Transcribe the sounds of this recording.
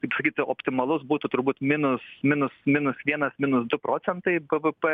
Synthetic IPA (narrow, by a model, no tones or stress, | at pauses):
kɐɪpsɐkʲiːt̪ʲoːpʲt̪ʲɪmɐlˠʊsbuːt̪ʊt̪ʊɾbuːt̪mʲɪnʊsmʲɪnʊsmʲɪnʊsʋʲiɛnɐsmʲɪnʊsd̪ʊpɾoːt͡ssʲɛnt̪ɐɪbəʋəpɛ